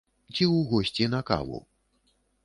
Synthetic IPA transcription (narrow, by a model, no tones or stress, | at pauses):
t͡sʲiwɣɔsʲt͡sʲinɐka̰vṵ